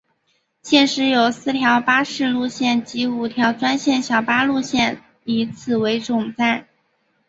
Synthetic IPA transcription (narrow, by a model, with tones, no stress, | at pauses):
ɕjɛ˥˧nʂɻ̩˧˥jo˨˩ʊsɹ̩˥˩t̪ʰjɑ˧˥ʊpa˥ʂɻ̩˥˧lu˥˧ɕjɛ˥˩nt͡ɕi˧˥u˨˩t̪ʰjɑ˧˥ʊʈ͡ʂwa˥nɕjɛ˥˩nɕjɑ˨˩ʊpa˥lu˥˧ɕjɛ˥˩n | i˧˥t͡sʰɹ̩˨˩we˧˥ɪʈ͡ʂʊ˨˩ŋt͡sa˥˩ɪ